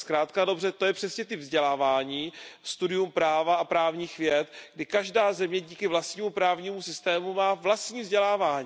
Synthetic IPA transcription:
skɾaːt̪kado̞brɛt̪o̞jɛpr̝̥ɛsɲɛt̪ɪpvzɟɛlaːvaːɲiːst̪udɪjumpɾaːvaapɾaːvɲiːxvjɛt̪ɡdɪkaʒdaːzɛmɲɛɟiːkɪvlast̪ɲiːmupɾaːvɲiːmusɪst̪ɛːmumaːvlast̪ɲiːvzɟɛlaːvaːɲiː

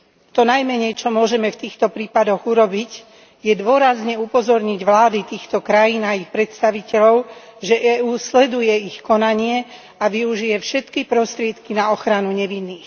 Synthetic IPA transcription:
t̪ɔnajmɛɲɛjt͡ʃɔmʊɔʒɛmɛft̪iːxt̪ɔpɾiːpad̪ɔɣuɾɔbic | jɛd̪ʊɔɾazɲɛupɔzɔɾɲiɟʋlaːd̪it̪iːxt̪ɔkɾajiːnaixpɾɛt̪st̪aʋicɛʎɔʊʒɛʔɛːuːslɛd̪ujɛixkɔnaɲɪɛ | aʋiuʒijɛfʃɛt̪kipɾɔst̪ɾɪɛt̪kinaɔxɾanuɲɛʋinːiːx

